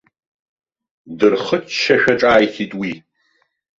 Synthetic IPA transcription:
dɨrχət͡ʃʰʃɐʃʷᶣɐʈ͡ʂʼaːjθiːtʼwiː

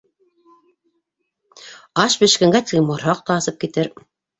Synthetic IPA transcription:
ɑʃbɘ̆ʃkɘ̆ŋɡæt̪ɘɡɘmŏɾɑq̚t̪ɑːsɤp̚kit̪ɘɾ

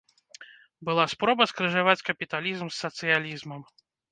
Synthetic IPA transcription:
bɨlˠaspɾɔbɐskɾɨʐavat͡sʲkɐpʲit̪alʲizmsːɐt̪sɨjalʲizmɐm

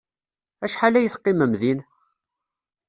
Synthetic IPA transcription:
æʃħalæjəθqːiməmðin

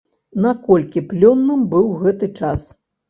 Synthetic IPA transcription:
nɐkɔlʲkʲiplʲɔnːɨmbɨwɣɛt̪ɨt͡ʂas

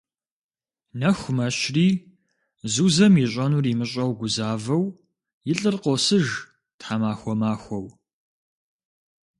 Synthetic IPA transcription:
nɐxʷʊmɐɕriː | zuːzɐmiɕ̬ʷʼɐnuːrimɨɕʼɐwɡʷʊzaːvɐw | jɪɬʼɨrqosɨʒ | tħaːmaːxʷɔmaːxʷɔw

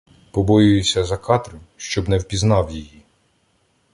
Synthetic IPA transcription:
pɔbɔjʊjʊsʲɐzɐkɑt̪ɾʊʃt͡ʃɔbnɛwpʲiznɑwjiji

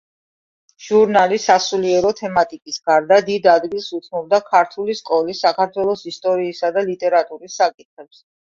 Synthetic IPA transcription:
ʒ̥uɾnalisasuliɛɾɔt̪ʰɛmat̪ʼikʼisɡaɾd̪ad̪id̪ad̪ɡilˠsut̪sʰmɔb̚d̪akʰaɾt̪ʰuliskʼɔlisːakʰaɾt̪ʰwɛlˠɔsist̪ʼɔɾiːsad̪alit̪ʼɛɾat̪ʼuɾisːakʼit̪̚χɛps

